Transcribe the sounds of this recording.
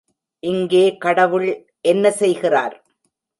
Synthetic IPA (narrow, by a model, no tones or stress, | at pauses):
ʔɪŋɡeːkɐɽɐʋɯɭ | ʔɛnːɐsɛjɣɪra̰ːɾ